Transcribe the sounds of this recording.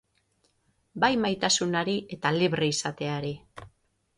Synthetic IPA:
bajmajt̪asunaɾiʔe̞t̪aliβriːsat̪e̞aɾi

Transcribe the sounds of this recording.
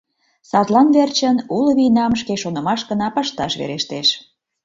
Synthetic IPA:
sɑt̪lɑnβert͡ɕənuləβinɑmʃ̬keʃonə̆mɑʃɡə̆nɑpəʃt̪ɑʃβḛɾeʃt̪eʃ

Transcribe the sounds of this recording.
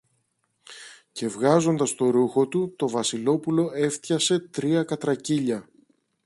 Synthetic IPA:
ce̞vɣɐzo̞nd̪ɐst̪o̞ɾuxo̞t̪ut̪o̞vɐsilo̞pulo̞e̞ft̪çɐse̞t̪ɾiɐkɐt̪ɾɐciʎɐ

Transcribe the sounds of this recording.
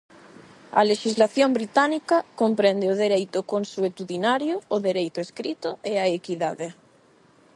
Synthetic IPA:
ɐ̰leʃizlaθjombɾit̪anikɐkompɾɛnd̪eʊðeɾejt̪ʊkonsuet̪uðinaɾjʊːðeɾejt̪ʊeskɾit̪ʊeaekiðaðe

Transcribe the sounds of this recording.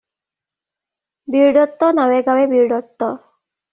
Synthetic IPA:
biɹɖɔt̪ːɔnawɛɡawɛbiɹɖɔt̪ːɔ

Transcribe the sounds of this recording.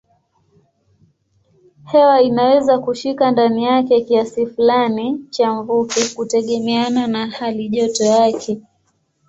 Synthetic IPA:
hɛwainawɛzakuʃikandanijakɛkiasifulanit͡ʃaɱvukikutɛɠɛmɛananahaliʄɔtɔjakʰɛ

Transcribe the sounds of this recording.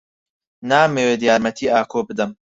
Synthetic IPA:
naːmeːwed̪ijaːɾmɐt̪ʰiːʔaːkʰobɨd̪ɨm

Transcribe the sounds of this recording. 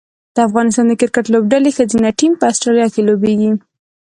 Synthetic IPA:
d̪̥əafɣɑnɪst̪ɑnd̪əkɪɾkaʈlobɖalexəzinaʈimpəasʈɾɑlijɑkelobeɡi

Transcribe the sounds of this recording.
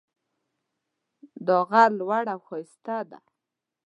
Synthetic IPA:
d̪oɣalwaɽaxɔjst̪ad̪a̰

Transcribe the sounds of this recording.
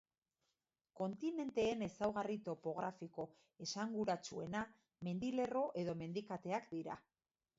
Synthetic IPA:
ko̞nt̪ine̞nt̪e̞ːne̞sawɣarit̪o̞po̞ɣ̞ɾafiko̞ | e̞saŋɡuɾat͡sue̞na | me̞nd̪ile̞ro̞ʔe̞ðo̞me̞nd̪ikat̪e̞akd̪iɾa̰

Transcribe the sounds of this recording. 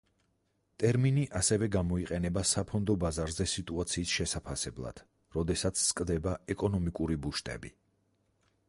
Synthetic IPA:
t̪ʼɛɾminiʔasɛvɛɡamɔiqʼɛnɛbasapʰɔnd̪ɔbazaɾzɛsit̪ʼuat̪sʰiːsʃɛsapʰasɛblˠa̰d̪̥ | ɾɔd̪ɛsat̪sʰskʼd̪ɛbaɛkʼɔnɔmikʼuɾibuʃt̪ʼɛ̰bḭ

